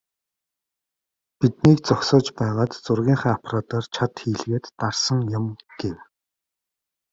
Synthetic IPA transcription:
pit̪niːkt͡sɔksɔːt͡ɕpæːʁaːt̪t͡sʊrɣʲiːŋχaːapʰɾaːt̪ʰɔːrt͡ɕʰat̪xiːɮɣeːt̪ːarsə̆ŋjʊmɡ̥ew

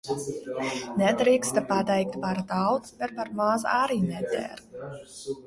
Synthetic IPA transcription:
nɛd̪ɾiːkst̪apad̪ɛjk̚t̪paɾd̪awt̪spʲɛt̪̚paɾmazaɾiːnɛd̪ʲɛ̰ːɾ

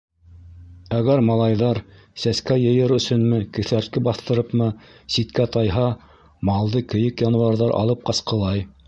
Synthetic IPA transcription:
æɣæɾmɑlˠɑjðɑɾ | sæskæjɤ̆jɤɾɵ̆sɵ̆nmɘkɵ̆θæɾt̪̚kɘbɑθt̪ɤ̆ɾɤpmɤsit̪kæt̪ɑjɦɑ | mɑlˠd̪ɤkɘ̆jɘkjɑnwɑɾðɑɾʔɑ̰lˠɤp̚qɑsqɤ̆lˠɑj

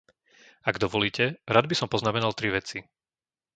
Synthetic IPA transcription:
aɡd̪ɔʋɔliːcɛɾad̪bisɔmpɔznamɛnalt̪ɾiʋɛt͡si

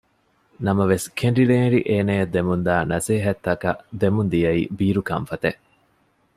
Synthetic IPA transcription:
nɐmɐʋeskʰeɳɖileːɾiʔeːnejɐd̪emund̪aːnɐseːɦɐt̪ːɐkɐ̰d̪emund̪ijɐḭːbiːɾukɐɱfɐt̪eʔ

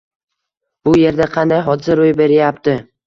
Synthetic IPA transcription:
b̥ʊje̞ɾd̪aqʰɑnd̪ajɦɒd̪ɪsaɾojbe̞ɾɪjapt̪ɪ

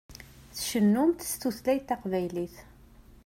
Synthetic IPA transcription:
θʃənːumt̪st̪uθlæjθɑqvæjliθ

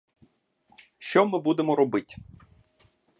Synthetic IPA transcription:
ʃt͡ʃɔmɪbud̪emɔɾɔbɪtʲ

